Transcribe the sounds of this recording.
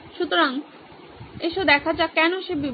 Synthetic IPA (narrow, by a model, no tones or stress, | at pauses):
ʃut̪oɾaŋ | eʃod̪ɛkʰad͡ʑakɛnoʃebib